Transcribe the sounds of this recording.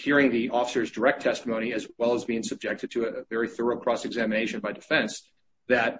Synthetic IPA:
hiɹɪ̃ŋðiʔɔfə̥sə˞zdə˞ɛk̚tʰɛstəmõʊ̃ñiɨzɛlˠəzbiɪ̃ŋsɨb̚d͡ʒɛk̚tʰɨd̚tʰɨːvɛɹiθɜ˞oʊkʰɹ̥ɔsɨɡzæmɨneɪʃɨ̃nbaɪdɨfɛ̃ns | ðɨt̚

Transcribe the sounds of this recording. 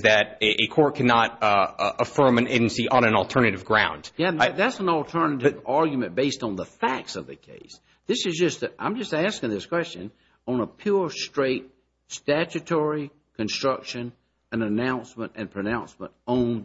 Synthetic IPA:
zðɨɾʔɨkʰɔɹt̚kʰænɑɾəfɜ̃˞mɨ̃neɪd͡ʒɨ̃n̩siʔə̃nɨ̃nl̩ˠtʰɜ˞nɨɾɨvɡɹãʊ̃nd̥jæðætsn̩l̩ˠtʰɜ˞nɨɾvɑɹɡjmɨ̃nb̥eɪstn̩ðəfæk̚tsʌvðɨkʰḛɪs | ðɪsɨzd͡ʒʌstɨʔã̰ɪ̃md͡ʒʌstæskɪ̃ŋðɪskʰw̥ɛst͡ʃɨ̰̃n | n̩əpʰj̥ʊɹstɹ̥eɪt̚ | stæt͡ʃɨtʰɔɹi | kʰɨ̃nstɹ̥ʌkʃɨ̃n | ɨ̃nɨnãʊ̃nsmə̃ntɨ̰̃npʰɹ̥ɨnãʊ̃nsmə̰̃ntõʊ̃n

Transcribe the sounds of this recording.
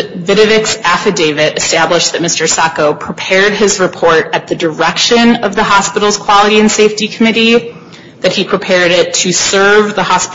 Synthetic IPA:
vɪɾɨvɪksæfɨdeɪvɪɾɨstæbləʃ̚ðɨt̚mɪstə˞sækoʊpʰɹ̥ipʰɛɹd̚ɪzɹɨpʰɔɹɾɨt̪̚ðɨdə˞ɛkʃɨ̃nʌvðəɦɑspɪɾl̩ˠz̥kʰw̥ɑlˠəɾiɨ̃nseɪftikʰəmɪɾi | ðɨt̚hipʰɹ̥ipʰɛɹɾɪtʰɨsɜ˞vðəhɑsp

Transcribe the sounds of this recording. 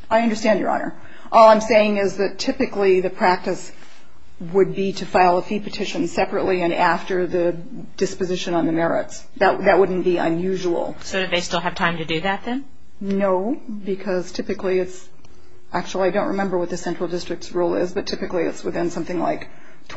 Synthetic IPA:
aɪʌ̃ndə˞stæ̃nd͡ʒjə̰˞ɑ̰nə̰˞ | ʔɔlˠãɪ̃mseɪɪ̃ŋɪzðɨtʰɪpɨkliðɨpʰɹ̥æk̚tɨs | wəd̚biɾɨfaɪlˠəfipʰɨtʰɪʃɨ̃nsɛpɹɨʔˡliɨ̃næftə˞ðɨ | d̥ɨspɨzɪʃɨ̃nə̃nðɨmɛɹɪ̰ts | ðɨt̚ðɨt̚wʊdⁿn̩b̥iə̰̃njʉʒuwl̩ˠsoʊɾɨðeɪstɪlˠɨv̥tʰãɪ̃mtɨdɨðɨt̪̚ðɨ̃n | noʊ | bɨkʰʌz̥tʰɪpɨkliɨts | ʔæk̚t͡ʃul̩ˠiaɪdõʊ̃nʔɹɨmɛ̃mbə˞wʌt̪̚ðɨsɛ̃nt͡ʃɹ̥l̩ˠdɪstɹ̥ɨk̚tsɹulˠɪzbʌtʰɪpɨkliɨ̰tswɨθɪ̃nsʌ̃mθɪ̃ŋla̰ɪk | tʰ

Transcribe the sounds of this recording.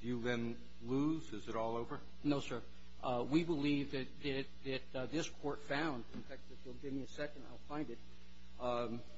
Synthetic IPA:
d̥ɨjɨðɨ̃n | luzɨzɨɾɔlˠoʊvə˞ | noʊsɜ˞ | ʔwibəlivðɨt̪̚ðɨt̪̚ðɨt̪̚ðɪskʰɔɹtfãʊ̃ndɨ̃nfæk̚t̪̚ðɨtulˠɡɪvmiɨsɛkɨ̃nda̰ɪlˠfãɪ̃ndɨt̚

